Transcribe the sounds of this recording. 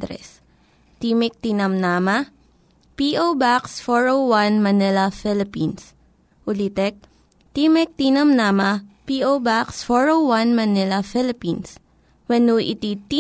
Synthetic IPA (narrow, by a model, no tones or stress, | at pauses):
d̪ɾɛ̰s | t̪imɪk̚t̪inɐmnamɐ | piʔobaksfɔɹowwanmɐnɪlɐfɪlɪpins | ʔʊlit̪ɛk̚ | t̪imɛk̚t̪inɐmnaːmɐpiʔobaksfɔɹowwanmɐnɪlɐfɪlɪpins | wɛnuʔɪ̰t̪it̪i